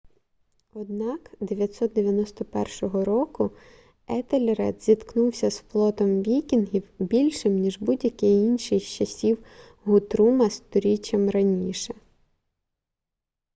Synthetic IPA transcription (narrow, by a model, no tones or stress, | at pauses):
ɔd̪̚nɑkd̪eʋʲjɐt̪ʲsɔt̪̚d̪eʋʲjɐnɔst̪ɔpɛrʃɔɦɔɾɔkʊ | ɛt̪elʲɾɛ̰d̪zʲit̪knuwsʲɐsflˠɔt̪ɔmʋʲikʲinɦʲiwbʲilʲʃɪmnʲiʒbudʲjɐkɪjinʲʃɪxt͡ʃɐsʲiw | ɦʊt̪ɾumɐst̪ɔɾʲit͡ʃɐmɾɐnʲiʃɛ